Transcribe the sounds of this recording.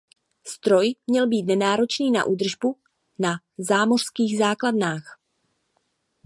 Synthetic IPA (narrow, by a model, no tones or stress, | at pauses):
st̪ɾo̞jmɲɛlbiːt̪nɛnaːɾo̞t͡ʃniːna̰ʔuːd̪r̩ʒbu | na | zaːmo̞r̝̥skiːɣzaːkladnaːx